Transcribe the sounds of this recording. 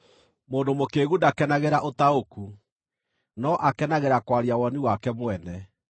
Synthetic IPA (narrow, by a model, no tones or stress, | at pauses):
moːndomokeɣudakɛnaɣeɾaʔotaoku | nɔʔakɛnaɣeɾakwaɾjawɔniwakɛmwɛnɛ